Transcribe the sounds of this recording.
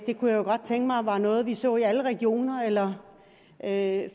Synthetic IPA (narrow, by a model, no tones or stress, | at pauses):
d̥e̝kʰujæjo̝ɡ̥ɒ̽d̥̚t͡sʰeŋɡ̥əmɑ̈ɪʋɑ̈nɔ̽ːð̞̩ˠʋisɔ̰̽ːiæləʁɛɡ̥jo̝̰ːnɐelɐ | ʔø